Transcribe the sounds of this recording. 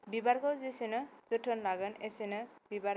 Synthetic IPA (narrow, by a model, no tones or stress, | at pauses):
bibaɾkɔzisinɯzɯʈʰɯnlaɡɯnesinɯbibaɾ